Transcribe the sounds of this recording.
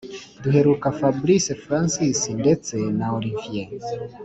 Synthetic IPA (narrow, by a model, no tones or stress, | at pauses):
duɦe̞ɾukafabɾisefɾansisinde̞t͡se̞naoɾiɱfienz